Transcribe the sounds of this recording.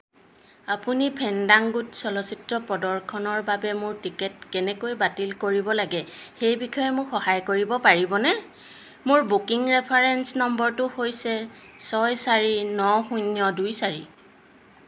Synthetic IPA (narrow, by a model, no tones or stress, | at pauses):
apunipʰɛndaŋɡutsɔlɔsitɹɔpɔdɔɹkʰɔnɔɹbabɛmʊɹtikɛt̚kɛnɛkojbatilkoɹibɔlaɡɛxejbikʰɔjɛmʊɹxɔhajkoɹibɔpaɹibɔnɛ | mʊɹbukiŋɹɛpʰaɹɛnsnɔmbɔɹtʊhojsɛ | sɔjsaɹinɔxunjɔdujsaɹḭ